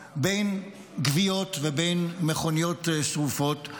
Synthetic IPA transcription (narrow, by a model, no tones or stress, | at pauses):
bejn | ɡvio̞tvebejnmeχonijotsʁufo̞t